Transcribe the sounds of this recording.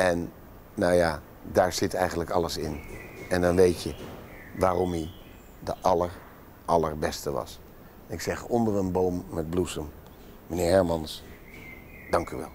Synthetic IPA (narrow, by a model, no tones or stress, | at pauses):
ɛnː | owjaː | daːɹz̥ɪtɛjχənləkɑləsɪnɛndɑnʋejtjə | ʋaːrɔmi | dəʔɑləɹ | ʔɑləɹbɛstəʋɑ̰s | nɪksɛχɔndərənbowmːɛd̚blusəmː | ənɪːɹɦɛɹmɑns | d̥ɑŋkyʋɛ̰lˠ